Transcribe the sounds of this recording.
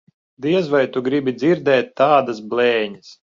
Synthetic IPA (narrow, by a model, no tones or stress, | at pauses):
d̪iɛzvajt̪uɡɾibʲid̪ziɾd̪ɛːt̪ːaːd̪asblˠɛːɲɐs